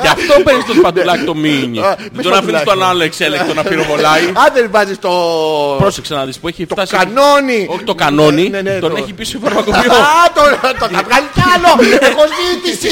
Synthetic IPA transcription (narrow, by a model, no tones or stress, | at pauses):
eɐftt̪openist̪ospɐt̪ulɐkt̪o̞miɲt̪onɐfist̪onɐloekselek̪t̪onɐpiɾovo̞lɐiɐðelvɐzist̪opɾoseksenɐðispueçift̪t̪ɐsɐnonioçi̥t̪okano̞nit̪o̞neçipisiovɐɾmɐkopiot̪ot̪oɐvɣɐlicɐloekozmiθis